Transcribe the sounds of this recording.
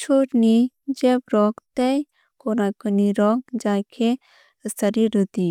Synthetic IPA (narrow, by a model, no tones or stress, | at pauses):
t͡ʃʰoːʈnid͡ʒebɾɔkt̪ɛ | konakəniɾɔːk̚d͡ʒaːkʰe | səɾiɾət̪i